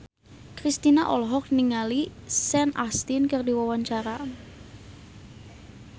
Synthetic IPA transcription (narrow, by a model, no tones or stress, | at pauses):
kɾist̪inaʔɔlɦɔk̚niŋalisɛnʔa̰st̪inkərdiwawaɲt͡ʃaɾa